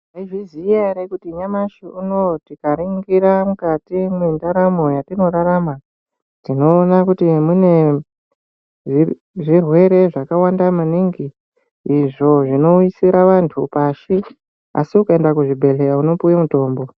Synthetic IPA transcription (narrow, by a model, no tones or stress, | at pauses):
aiʐiziaɾekutiɲamaʃiuno̞tikaɾiŋɡiɾamukatimindaɾamo̞jatino̞raɾama | tino̞ːnakutimune̞ | ʐi | ʐirwe̞ɾe̞ʐakawandamaniŋɡiː | ʐo̞ʐino̞isiɾaʋantʰupaʃi | a̰siukaendakuʐibʱe̞lejauno̞pujamuto̞ːmbo̞